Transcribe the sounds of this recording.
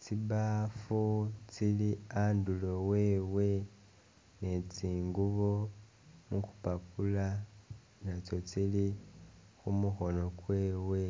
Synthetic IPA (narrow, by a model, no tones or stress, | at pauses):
t͡siβafut͡siliaːndulo̞we̞ːwe̞ | ne̞t͡siːŋɡuβo̞ | muku̥papula | nat͡so̞t͡sili | xumuxo̞no̞kwe̞ːwe̞